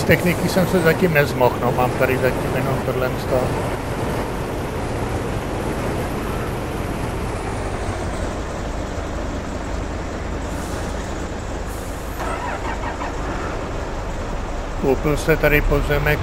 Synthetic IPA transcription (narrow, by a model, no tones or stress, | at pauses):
st̪ɛxnɪkisɛmsɛzacimnɛzmoxnomaːmt̪aɾɪzaciːmjɛnomt̪odlɛnst̪o | kowpɪlsɛt̪aɾɪpozɛmɛk